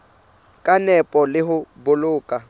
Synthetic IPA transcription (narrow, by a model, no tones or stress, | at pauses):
kʼanɛpʼɔlɪɦʊbʊlʊːkʼa